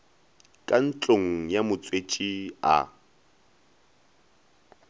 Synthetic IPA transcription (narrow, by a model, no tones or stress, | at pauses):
kʼan̩t͡ɬʼoŋ̩jamʊt͡sʼwet͡ʃʼia̰